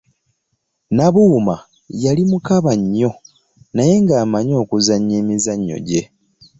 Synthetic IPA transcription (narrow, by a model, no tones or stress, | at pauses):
naβuma | jalimukaβaɲːo̞ | naje̞ŋɡaːmaɲo̞ːkuzaɲːeːmizaɲːo̞̰ɟe̞